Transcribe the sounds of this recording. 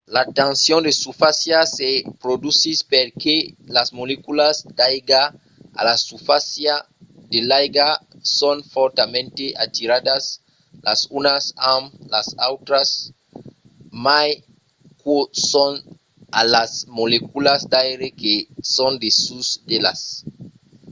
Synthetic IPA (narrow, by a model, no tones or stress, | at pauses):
lat̪ãnsjõnd̪esufasjasepɾod̪usispeɾkelasmolekulasd̪ajɡa | a̰lasufasja | d̪elajɡa | sonfoɾt̪amẽnt̪eʔat̪iɾad̪as | la̰sunasãmlasawt̪ɾas | maj | koson | alasmolekulasd̪ajɾekesond̪esusd̪ela̰s